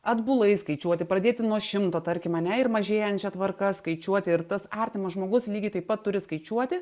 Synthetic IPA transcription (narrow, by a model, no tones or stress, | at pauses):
ɐd̪bʊlˠɐɪskɐɪt͡ʃʲuɔt̪ʲɪpɾɐd̪ʲeːt̪ʲɪnuɔʃʲɪmt̪oːt̪ɐɾʲkʲɪmɐnʲɛɪɾmɐʒʲeːjɛnt͡ʃʲɛt̪ʋɐrkɐskɐɪt͡ʃʲuɔt̪ʲɪɪɾt̪ɐsɑːɾʲt̪ʲɪmɐsʒmoːɡʊslʲiːɡʲɪt̪ɐɪpːɐt̪ːʊɾʲɪskɐɪt͡ʃʲuɔt̪ʲɪ